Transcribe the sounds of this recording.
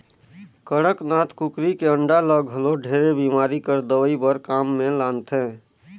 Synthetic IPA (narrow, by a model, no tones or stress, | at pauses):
kəɽəknat̪kukɾikeəɳɖaləɡɦəloɖʱeɾebimaɾikəɾd̪əʋəibəɾkamːelant̪ʰɛ̃